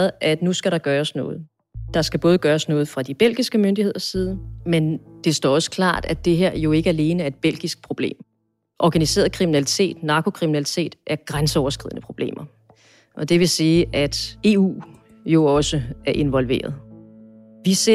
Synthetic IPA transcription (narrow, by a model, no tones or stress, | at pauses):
ð̩ˠʔæd̥nusɡ̥æɾɑ̈ɡ̥ɶːɐsnɔ̽ːð̞̩ˠ | d̥ɑ̈sɡ̥æb̥ɔ̽ːð̞̩ˠɡ̥ɶːɐsnɔ̽ːð̩ˠfʁɑ̈d̥ib̥el̰ɡ̥isɡ̥əmønd̥ihe̝ð̞̰ˠɐsiːð̞ˠmend̥e̝sd̥ɒ̰ɒ̽sə̥kʰlɑ̰̈ːd̥æd̥e̝ɦe̝ɐ̰jo̝e̝ɡ̥əæle̝ːnəæɐe̝d̥̚b̥el̰ɡ̥isɡ̥̚pʰʁo̝b̥le̝̰ːm | ʔɒɡ̥ænise̝̰ːɐðˠkʰʁiminælit͡sʰe̝̰ːd̥nɑ̈kʰo̝kʰʁiminælit͡sʰe̝̰ːd̥ʔæɐɡ̥ʁansəɒʊɐsɡ̥ʁḭðˠnəpʰʁo̝b̥le̝̰ːmʔɐ | ʔɒ̽d̥e̝ʋe̝siːæd̥e̝ːṵː | jo̝ɒ̽səæɐʔe̝nʋɒ̽lʋe̝̰ːɐð̞ˠ | ʋise